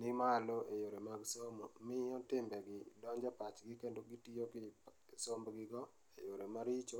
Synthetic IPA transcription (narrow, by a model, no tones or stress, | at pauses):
nɪmaloʔejoɾemaɡsomɔmɪɔtɪmbɛɡɪdɔɲd͡ʒapat͡ʃɡɪkendoɡitiokɪ | sombɡɪɡɔ | ejoɾemaɾit͡ʃo